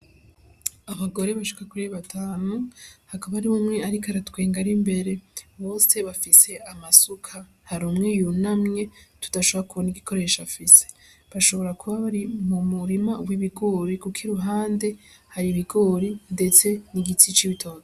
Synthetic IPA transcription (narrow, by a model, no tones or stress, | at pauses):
aβaɡo̞ɾe̞βaʃu̥kakuɾeβatʰaːnuhakaβaɾiβumŋe̞aɾikaɾatwe̞ːŋɡaɾimbe̞ɾe̞βo̞ːse̞βafise̞ʔamasukʰa | haɾumŋejunamŋe̞tu̥d̥aʃoβɾakuβoniɡikʰo̞ɾe̞ʃafise̞̥ | βaʃo̞βo̞ɾakuβaβaɾimumuɾimawiβiɡo̞ːɾikukʰiɾuɦaːnde̞ | haɾiβiɡo̞ːɾinde̞t͡se̞niɡit͡sit͡ʃiβitʰo̞ːz